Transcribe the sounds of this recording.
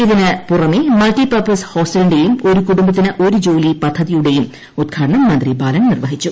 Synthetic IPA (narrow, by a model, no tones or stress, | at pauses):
iðinɨpurɐmimɐlʈipɐrpɐsho̞ːsʈilɳɖejumo̞ɾukuɽumbɐt̪ːinɨʔo̞ɾud͡ʑo̞ːlipɐd̪ʱːɐðijuɽe̞jum | ud̪̚ɡʰʱaːɖɐɳɐmːɐnd̪ribaːlɐnnirʋɐɦit͡ɕːu